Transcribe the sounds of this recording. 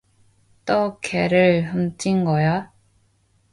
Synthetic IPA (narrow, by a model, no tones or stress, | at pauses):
t͈ʌkʰeɾɯɭhʌmtʰinɡʌja